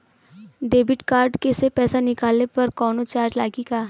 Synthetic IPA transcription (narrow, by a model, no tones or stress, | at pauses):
ɖeːbɪʈkaːɾɖkesepɛːsanɪkaːlnepɐɾkɔːnot͡ʃaːɾd͡ʒlaːɡikaː